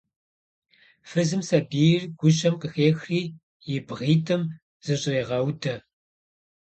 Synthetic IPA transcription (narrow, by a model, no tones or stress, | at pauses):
fɨzɨmsɐbiːrɡʷʊɕɐmqəxeːxriː | jɪbʁiːtʰɨm | z̥ɨɕʼreːʁɐwtʰɐ